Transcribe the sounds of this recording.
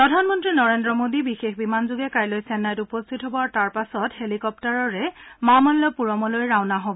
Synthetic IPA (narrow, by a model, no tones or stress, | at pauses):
pɹɔdʱanmɔntɹinɔɹendɹɔmodibixexbimanzuɡɛkajlojsɛnːajtupɔstʰitɦobɔataɹpasɔthelikɔp̚taɹɔɹɛmamɔnlɔpuɹɔmɔlojɹawnaɦobɔ